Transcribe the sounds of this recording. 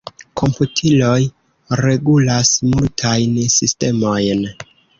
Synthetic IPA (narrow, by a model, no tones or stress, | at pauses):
kʰo̞mputʰiloj | ɾe̞ɡulasmultʰajnsiste̞mo̞jn